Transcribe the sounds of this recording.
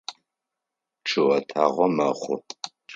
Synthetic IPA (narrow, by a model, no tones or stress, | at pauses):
ʈ͡ʂʰɨʔɐtʰaːʁʷɔmɐχʷʊ